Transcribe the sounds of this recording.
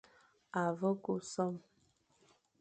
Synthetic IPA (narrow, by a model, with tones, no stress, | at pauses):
a˨və˦ku˨sɔ˦m